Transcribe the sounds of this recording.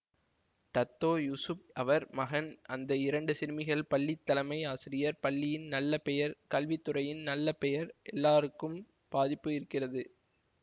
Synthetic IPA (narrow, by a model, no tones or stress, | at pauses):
ʈɐt̪ːoːjusʊp̚ʔɐʋɐɾmɐɣɐnɐnd̪ɐɪɾɐɳɖɯsɪɾmɪɣɐɭpɐɭːɪt̪ːɐlɐmɐɪaːsɪɾɪjɐɾpɐɭːɪjɪnnɐlːɐpɛjɐɾkɐlʋɪt̪ːɯɾɐjɪnnɐlːɐpɛjɐɾʔɛlːaːɾɯkːɯm | b̥aːðɪpːɯɪɾɯkːɪrɐðɯ